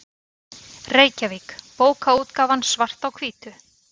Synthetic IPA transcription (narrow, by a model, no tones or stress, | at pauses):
reːjcavikpoːwkauːt̪kaːvansvar̥t̪awkʰviːt̪ʏ